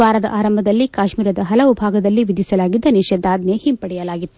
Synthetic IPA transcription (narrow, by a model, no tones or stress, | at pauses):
ʋaːɾɐd̪ɐ̰ʔaːɾɐmbʱɐd̪ɐlːikaːʃmiːɾɐd̪ɐɦɐlɐʋubʱaːɡɐd̪ɐlːiʋid̪ʱisɐlaːɡid̪ːɐnɛʃɐd̪ːaːd̪nehimpɐɽɛjɐlaːɡit̪ːu